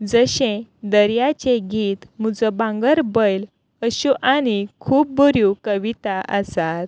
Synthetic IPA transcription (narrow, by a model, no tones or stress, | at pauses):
d͡zəɕẽd̪əɾjat͡ɕeɡʱiːt̪m̤ud͡zəbãŋɡəɾbəjl | əɕuʔañikʰuːp̚bəɾjũkəʋit̪aʔəsat̪̚